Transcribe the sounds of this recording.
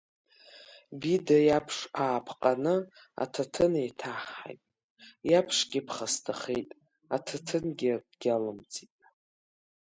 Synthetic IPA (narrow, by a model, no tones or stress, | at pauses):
bidajapʰʂaːpʰqʼanɨ | a̰tʰatʰɨnejtʰaħa̰jtʼ | japʰʂɡʲɪpʰχastʰaχejtʼ | atʰatʰɨnɡʲɪdɡ̥ʲalɨmt͡sʰʼitʼ